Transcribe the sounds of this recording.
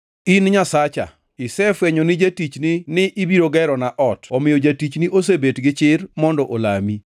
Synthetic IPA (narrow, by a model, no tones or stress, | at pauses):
inɲasat͡ʃa̰ | ɪsɛfweɲonɪd͡ʒetit͡ʃninɪʔibiɾoɡɛɾɔnaʔɔtɔmɪjod͡ʒatit͡ʃniʔos̬ebetɡɪt͡ʃɪɾmɔndɔʔolami